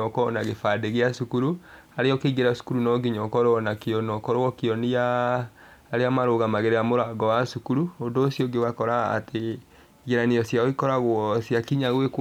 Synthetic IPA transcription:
ɔkɔnaɣefadeɣeasukuɾu | aɾeɔkeɡeɾasu̥kuɾunɔɡiɲɔkɔɾɔnakeɔnɔkɔɾoɣɔkeɔniaː | ɾeamaɾoɣamaɣeɾeamoɾaɡɔwasukuɾuondoːsjɔɡewakɔɾa̰ːtʰe | ɣeɾaneɔsjaoikɔɾaɣwɔsjakiɲaɣwek

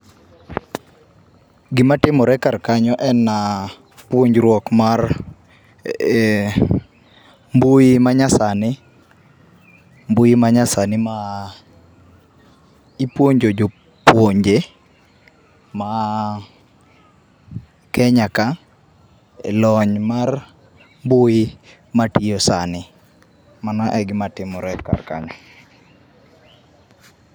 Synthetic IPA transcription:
ɡɪmatɪmɔɾɛkarkaɲɔʔɛnːa | pwoɲd͡ʒɾwɔkmar | mbuimaɲasanɪ | mbujimaɲasanɪma | ipwoɲd͡ʒod͡ʒo | pwoɲd͡ʒe | ma | kɛɲaka | ḛlɔɲmar | mbuji | matiosanɪ | manaʔɛɡɪmatɪmɔɾɛkːa̰rka̰ɲɔ

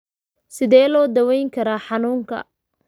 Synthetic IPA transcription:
sɪðɛːlɔːd̪ɐwɛjŋkʰɐɾaːħɑnuːŋkʰɐ̰

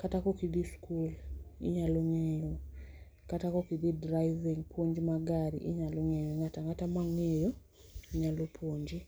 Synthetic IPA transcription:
katakokid̪iskulḭɲaloŋenu | katakokid̪idɾaiviŋpʰwoɲd͡ʒimaɡaɾḭʔiɲaloŋejoŋataŋatamaŋejo | iɲalopʰoɲd͡ʒi

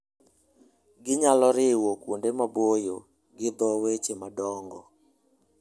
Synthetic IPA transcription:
ɡɪɲalɔɾɪwokwondemabojo | ɡɪd̪ɔwet͡ʃemadɔŋɡɔ

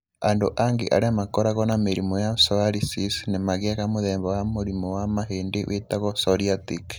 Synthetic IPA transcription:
ando̰ʔaŋɡḛʔa̰ɾamakoɾaɣonamiɾimojasoaɾisisnimaɣiaɣamuðeːmbowamuɾimowamaɦeːndḛwʔetaɣosoɾiatik

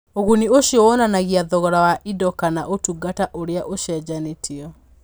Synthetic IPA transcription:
oɣunioɕjɔwɔnanaɣiaðɔɣɔɾawaʔidɔkanaʔotuɡataʔoɾeaʔoʃɛd͡ʑanetʰiɔ

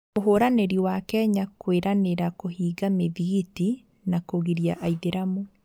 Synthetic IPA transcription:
oɦoɾaneɾiwakɛɲakweɾʔaneɾakoɦiːɡameðiɣiti | nakoɣiɾjaʔaiðeɾamo

